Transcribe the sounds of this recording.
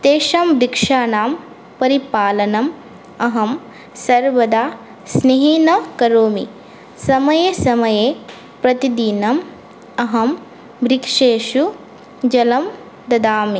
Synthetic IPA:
t̪eːʃamɾikʂaːnaːm | pɐɾipaːlɐnɐm | ɐɦɐm | sɐɾʋɐd̪aː | sneɦinɐkɐɾoːmḭ | sɐmɐjesɐmɐje | pɾɐt̪id̪inɐm | ɐɦɐm | bɾikʂeːʃu | d͡ʒɐlɐm | d̪ɐd̪aːmi

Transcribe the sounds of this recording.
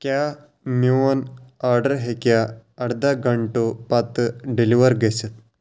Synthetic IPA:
kja | mjuənaɾɖəɾɦekjaːɽd̪aɡʱəɳʈopat̪ɖeliʋəɾɡesət̪̚

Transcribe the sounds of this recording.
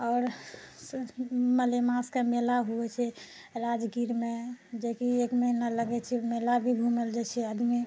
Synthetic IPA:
ɔːɾ | məlemãskamelaɦuɛt͡ʃʰɛ | ɾad͡ʒɡiɾmed͡ʒekiekməinaləɡɛt͡ʃʰɛmelabʱibʱumeld͡ʒat͡ʃʰɛəd̪mi

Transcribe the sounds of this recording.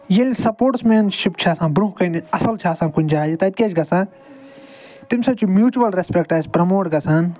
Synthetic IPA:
jelʲsɐpoːʈsmeːnʃipt͡ʃʰaːsãːbɾuɦkɐniɐsɐlt͡ʃʰaːsãːkʊnʲd͡ʒaːjit̪ɐt̪̚kʲet͡ʃɡɐsãː | t̪imsɐbt͡ʃʰumjuːt͡ʃuʋɐlɾespek̚ʈaːsʲpɾɐmoːʈɡɐsaːn

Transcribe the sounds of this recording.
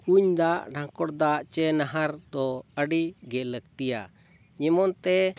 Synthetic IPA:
kuɲd̪aʔɖʱãkɔɽd̪aʔt͡ʃɛnaɦaɾd̪ɔəɖiɡɛləɡt̪ija̰ | ɲɛmɔnt̪ɛ

